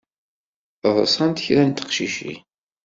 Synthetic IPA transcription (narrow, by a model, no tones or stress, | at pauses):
ðˤəsˤɑnt̪çɾænt̪ə̥qʃiʃḭ